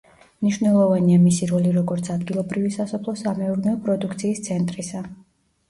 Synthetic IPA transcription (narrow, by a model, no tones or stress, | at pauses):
mniʃwvnɛlˠɔvaniamisiɾɔliɾɔɡɔɾt̪sʰad̪ɡilˠɔbɾivisasɔpʰlˠɔsamɛuɾnɛɔpʼɾɔd̪ukʰt̪sʰiːst̪sʰɛnt̪ʼɾisa